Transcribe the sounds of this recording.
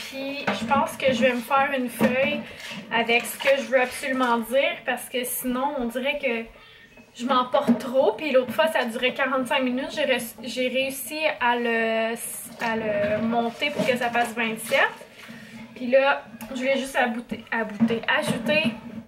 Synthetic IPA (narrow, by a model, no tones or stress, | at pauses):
pʰiʒəpɑ̃ːskəʒəvɛməfæːʁynfœjavɛksə̥kəʒəvøabsolymɑ̃d̪iːʁpaʁsə̥kəsinɔ̃ɔ̃d̪iʁɛkə | ʒəmɑ̃pɔʁt̪ːχopilot̪χəfwasad̪yːʁɛkaʁɑ̃t̪sɛ̃kminyt̪ʒeʁɛʒeʁeysialəs | aləmɔ̃t̪epʊʁkəsafasvɛ̃sjɛt | pilʌʒvulɛʒʏst̪abut̪eabut̪eʔaʒut̪e